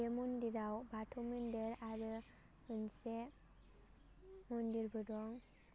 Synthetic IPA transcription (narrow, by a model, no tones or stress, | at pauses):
emundiɾawbatʰɔmɯndeɾaɾɯ | mɯnse | mundiɾbɯdɔŋ